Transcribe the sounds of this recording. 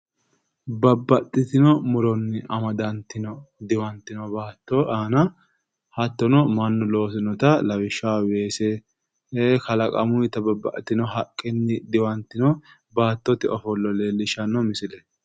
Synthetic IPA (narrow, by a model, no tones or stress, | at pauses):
bɐbːɐt̪ʼːɪt̪ɪnɔmʊɾɔnːɪʔɐmɐd̪ɐnt̪ːɪnɔd̪ɪwɐnt̪ːɪnɔbaːt̪ːɔʔaːnɐ | hɐt̪ːɔnɔmɐnːʊlo̞ːs̬ɪnɔt̪ɐlɐwɪʃːaːweːsɛ | ekɐlɐkʼɐ̰mʊjɪt̪ːɐbɐbːɐ̰ʔt̪ɪnɔɦɐkʼːɪnːɪd̪ɪwɐnt̪ːɪnɔ | baːt̪ːɔt̪ɪʔɔfɔlːɔleːlːɪʃɐnːɔmɪsɪlɛ